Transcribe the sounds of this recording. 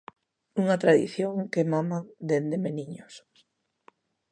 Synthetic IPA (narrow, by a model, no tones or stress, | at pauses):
uŋat̪ɾaðḭθjoŋkemamad̪end̪emeniɲos